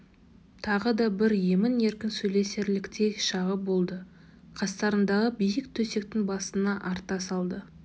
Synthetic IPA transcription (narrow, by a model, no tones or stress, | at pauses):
t̪ʰɑʁəd̪ɑbɪɾje̞mɪne̞ɾkʲɪnsɵjle̞se̞ɾlɪkt̪ʰe̞ʃɑʁəp̚bo̞lˠd̪ə | qʰɑst̪ɑɾənd̪ɑʁəbijɪkt̪ʰɵse̞k̚t̪ɪŋbɑsənɑʔɑɾt̪ːɑsɑlˠd̪ə